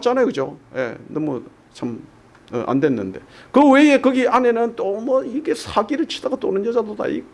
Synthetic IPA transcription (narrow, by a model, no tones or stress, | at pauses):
t͡ɕ͈anajokɯd͡ʑoje̞̰nʌmu | t͡ɕʰam | ɯʔa̰ndwenːɯnde̞̰ | kɯwe̞e̞kɯɡiʔane̞nɯntomʌiɡe̞sʰaɡiɾɯɭt͡ɕʰi̥d̥aɡat͈o̰nɯnjʌd͡ʑadoda̰ḭk